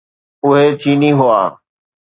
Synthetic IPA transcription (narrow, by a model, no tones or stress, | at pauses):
ʊɦet̪ʰiːniɦʊa̰ː